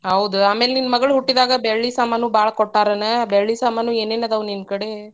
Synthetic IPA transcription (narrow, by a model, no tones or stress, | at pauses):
ɦɐwud̪uaːmeːleninːɐmɐɡɐɭuɦuʈːid̪aːɡɐbeɭːisaːmanuːbaːɭɐkɔʈːaːɾɐnɐbeɭːisaːmanuːeːneːnaːd̪ɐʋuninkɐɽe